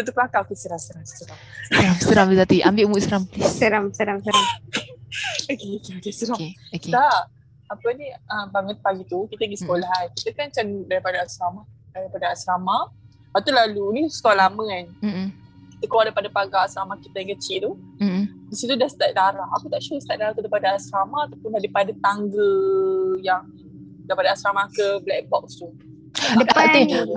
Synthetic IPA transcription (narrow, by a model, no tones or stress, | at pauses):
tət̪upəlakakisəɾamsəɾamsəɾa | səɾamsəɾamləzat̪iʔambiʔmuʔsəɾamlissəɾamsəɾamsəɾam | okekitisəɾaoketa | apəniəbaŋət̪̚paɡit̪ukit̪əɡisə̥kolaɦankit̪əkant͡ʃanuʔ̚daɾipadaasɾamadaɾipadaasɾama | pat̪ulalunisə̥koalaməan | kit̪əklwadapadapaɡaasɾamahkit̪ajãŋkət͡ʃiʔt̪u | disit̪udahst̪aʔ̚daɾaha̰kut̪aʔt͡ʃuɾəst̪aʔ̚daɾat̪udapadaasɾamaːt̪apʊnadipadat̪aŋɡə | jaŋ | daipadaasɾamahkəblɛʔ̚bɔk̚st̪u | aəaaun